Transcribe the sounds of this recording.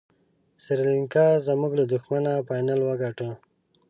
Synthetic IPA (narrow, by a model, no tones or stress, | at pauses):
siɾliŋkazamuɡlad̪uxmanapajnalwaɡaʈə̃